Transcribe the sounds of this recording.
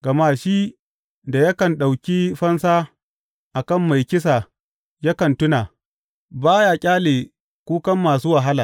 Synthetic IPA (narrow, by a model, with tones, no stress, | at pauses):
ɡ̥ɐ˨maː˦ʃi˦ | da˨jɐ˦kɐ˨nɗa˨wkʲi˦ɸɐ˦nsaː˦ | ʔa˨kɐ˦˨mːa˨jkʲɪ˦s̬a˨ | jɐ˦kɐ˨ntʊ˦naː˨ | baː˦jaː˨kʲʼaː˦leː˨ | kʷuː˦kɐ˦mːaː˨suː˦wa˨ɦa˦laː˨